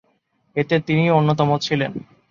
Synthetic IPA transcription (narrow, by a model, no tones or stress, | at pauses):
et̪et̪inionːot̪̬ɔmot͡ɕʰilen